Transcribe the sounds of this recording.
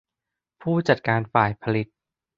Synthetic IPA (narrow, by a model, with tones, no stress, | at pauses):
pʰuː˥˩t͡ɕa˨˩t̪̚kaː˧nfaː˨˩jpʰa˧li˨˩t̪̚